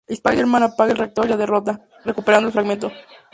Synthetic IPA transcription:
ispajɣeɾmãnapaɣelreak̚t̪oɾilaðerot̪a | rekupeɾandoelfɾaɣment̪o

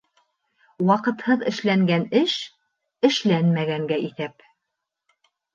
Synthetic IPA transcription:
wɑqɤ̆t̪hɤðɘ̆ʃlæŋɡænɘʃ | ɘ̆ʃlænmæɡæŋɡæʔiθæp

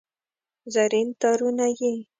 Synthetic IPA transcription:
zaɾint̪ɑɾunaje

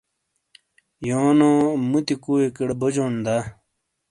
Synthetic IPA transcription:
joːnõmut̪ikuekeɽbod͡ʑond̪a

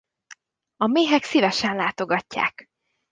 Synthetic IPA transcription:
ɒmeːɦɛksivɛʃɛnlaːt̪o̞ɡɒcːa̰ːk

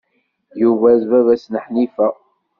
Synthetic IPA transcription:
juvæzvævæsnəħnifæ

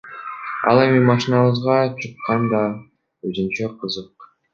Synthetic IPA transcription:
ɑ̰lˠe̞mimɑʃinɑβɯzʁɑt͡ʃʰɯqːɑnd̪ɑ | øzynt͡ʃæqʰɯzɯq̚

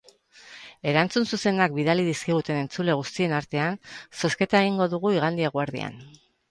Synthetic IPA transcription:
e̞ɾant͡sunsuse̞nakbiðaliðiskiɣut̪e̞ne̞nt͡sule̞ɣ̞ust̪ie̞naɾt̪e̞anso̞ske̞t̪ae̞ɣ̞iŋɡo̞ðuɣ̞uiɣ̞and̪iaɣwaɾðḭa̰n

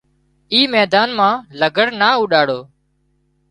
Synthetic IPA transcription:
iːmɛːd̪aːnmãːləɡʱəɽnaːuːɗaːɽoː

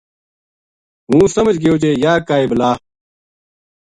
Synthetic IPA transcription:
ɦũːsɐməd͡ʑɡijoːt͡ɕeːjaːkaːeblaː

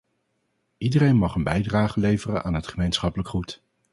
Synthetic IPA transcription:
idərejnmɑχənbɛjdraːχəlejvərə̰nʔa̰ːnɦətχəmejnsχɑpələkχut

